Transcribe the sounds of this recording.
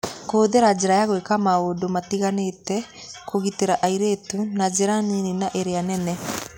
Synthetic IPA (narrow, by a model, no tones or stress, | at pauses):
koːðeɾad͡ʑeɾajaɣwekamaodomatiɣanetɛ | koɣiteɾaʔaiɾetunad͡ʒeɾanininaʔeɾeanɛnɛ